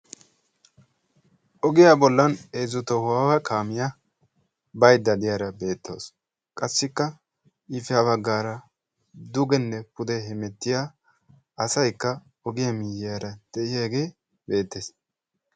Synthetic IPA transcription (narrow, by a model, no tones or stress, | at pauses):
ʔɔɡɪjaːbɔlːɐneːzʊt̪ɔhʊwaːwɐkʰaːmɪja | bɐjd̪ɐd̪ɪjaːɾɐbe̞ːt̪ːo̰ːs | kʼɐsːɪkːɐ | ɪfɪaβɐɡːaːɾɐ | d̪ʊɡɛnːɛpʊd̪ɛɦɛmɛt̪ːɪjaː | ɐsɐjkːɐ | ɔɡɪjaɐmɪjːɪjaːɾɐd̪̥ɛʔɪjeːɡe̞ː | be̞ːt̪ːeːs